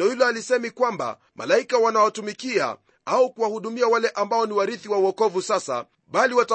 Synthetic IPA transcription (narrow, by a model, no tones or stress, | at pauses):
ɔhilɔalisɛmikwamba̰ | mʔa̰laikawanawatumikia̰ | aukuwahuɗumiawalɛʔambaɔniwaɾiθiwauɔkɔvusasa̰ | ɓaliwata